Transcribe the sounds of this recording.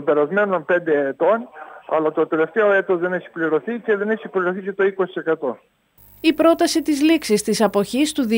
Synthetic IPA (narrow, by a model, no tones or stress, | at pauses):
pe̞ɾɐzme̞nonpe̞nd̪e̞ːt̪o̞nɐ̰lɐt̪o̞t̪e̞le̞ft̪e̞o̞e̞t̪ozðe̞neçi̥pliɾo̞θice̞ðe̞neçipliɾo̞θice̞t̪o̞iko̞si̥se̞kɐt̪o̞ | ipɾo̞t̪ɐsit̪izliksist̪isɐpo̞çist̪uði